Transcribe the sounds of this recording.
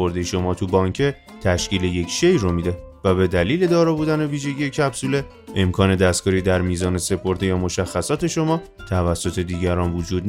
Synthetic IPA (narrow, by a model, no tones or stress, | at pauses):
oɾd̪ejʃo̞mɒːt̪ʰubɒːŋcʰe | t̪ʰæʃciːle̞je̞cʃe̞jromid̪e̞væbe̞d̪æliːle̞d̪ɒːɾɒːbuːd̪æne̞viːʒe̞ɟʲiːjecʰæbsuːle̞ | emkʰɒːne̞d̪æst̪̚ɡɒːɾiːd̪æɾmiːzɒːne̞se̞pʰo̞ɾd̪e̞jɒːmo̞ʃæxːæsɒːt̪ʰe̞ʃo̞mɒːt̪ʰævæsːo̞t̪ʰe̞d̪iːɟæɾɒːnvud͡ʒuːd̪n